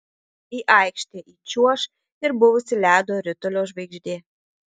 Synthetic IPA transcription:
iːʔɐɪkʃʲt̪ʲeʔit͡ʃʲuɔʃ | ɪɾbʊʋʊsʲɪlʲæːd̪oːɾʲʊt̪ɔlʲoːʒʋɐɪɡʒʲd̪ʲeː

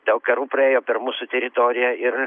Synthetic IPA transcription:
d̪ʲɐlˠkɐɾuːpɾɐeːjoːpʲɛɾmuːsʊt̪ʲɛɾʲɪt̪oːɾʲɪjɛɪr

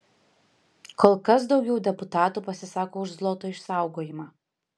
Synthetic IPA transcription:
koːlˠkɐsd̪ɒʊɡʲɛʊd̪ʲɛpʊt̪ɑːt̪uːpɐsʲɪsɑːkoːʊʒzlˠoːt̪oːɪʃsɑˑʊɡoːjɪmɑː

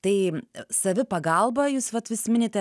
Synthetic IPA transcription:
t̪ɐɪsɐʋʲɪpɐɡɐlˠbɐjuːsʋɐt̪ʋʲɪsʲmʲɪnʲeːt̪ʲɛ

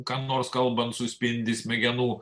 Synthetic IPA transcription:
kɑːnoːɾskɐlˠbɐnt̪sʊsʲpʲɪnʲd̪ʲɪsʲmʲɛɡʲɛnuː

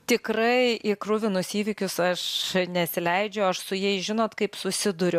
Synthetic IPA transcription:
t̪ʲɪkɾɐɪʔɪkrʊʋʲɪnʊsiːʋʲɪkʲʊsɐʃnʲɛt̪ʲsʲɪlʲɛɪd͡ʒʲɛʊɐʃsʊjɛɪʒʲɪnoːt̪kɐɪpsʊsʲɪd̪ʊɾʲʊ

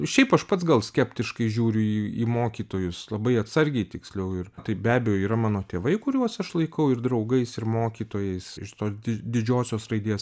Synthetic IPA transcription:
ʃʲɛɪpɐʃpɐt̪sɡɐlˠsʲkʲɛpʲt̪ʲɪʃkɐɪʒʲuːɾʲʊiːḭmoːkʲiːt̪oːjʊslˠɐbɐɪɐt̪sɐɾʲɡʲɛɪt̪ʲɪksʲlʲɛʊɪrt̪ɐɪbʲæːbʲɛjoːiːɾɐmɑːnoːt̪ʲeːʋɐɪkʊɾʲuɔsɐʃlˠɐɪkɐʊɪrd̪ɾɐʊɡɐɪsɪɾmoːkʲiːt̪oːjɛɪsɪʃt̪oːsd̪ʲɪd̪ʲɪd͡ʒʲoːsʲoːsrɐɪd̪ʲiːs

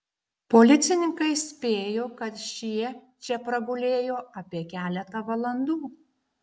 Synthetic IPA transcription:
poːlʲɪt̪sʲɪnʲɪŋkɐɪsʲpʲeːjoːkɐt̪ʃʲiɛ | t͡ʃʲɛpɾɐɡʊlʲeːjoːʔɐpʲiɛkʲæːlʲɛt̪ɐʋɐlˠɐnd̪uː

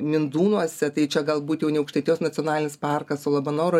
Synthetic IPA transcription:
mʲɪnd̪uːnuɔsʲɛt̪ɐɪt͡ʃʲɛɡɐlˠbuːt̪jɛʊnʲɛɐʊkʃʲt̪ɐɛt̪ʲijoːsnɐt͡s̪ʲɪoːnɑːlʲɪnʲɪspɑrkɐsoːlˠɐbɐnoːɾo

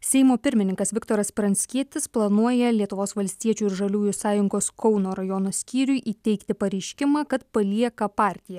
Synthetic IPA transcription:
sʲɛɪmoːpʲɪɾʲmʲɪnʲɪŋkɐsʋʲɪkt̪oːɾɐspɾɐnʲsʲkʲiɛt̪ʲɪsplˠɐnuɔjɛlʲiɛt̪ʊʋoːsʋɐlʲsʲt̪ʲiɛt͡ʃʲuːɪɾʒɐlʲuːjʊsɑːjʊŋɡoːskʰɔʊnoːɾɐjɔnoːsʲkʲiːɾʲʊɪʔiːt̪ʲɛɪkt̪ʲɪpɐɾʲɛɪʃʲkʲɪmɑːkɐt̪pɐlʲiɛkɐpɑːɾʲt̪ʲɪjɛ

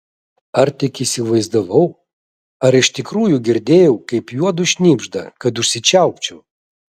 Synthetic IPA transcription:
ɐɾt̪ʲɪkʲisʲɪʋɐɪzd̪ɐʋɐʊ | ɐɾɪʃt̪ʲɪkɾuːjuɡʲɪɾʲd̪ʲeːjɛʊkɐɪpjuɔd̪ʊʃʲnʲiːbʒd̪ɐ̰kɐt̪ʊʃsʲɪt͡ʃʲæˑʊkt͡ʃʲɛʊ

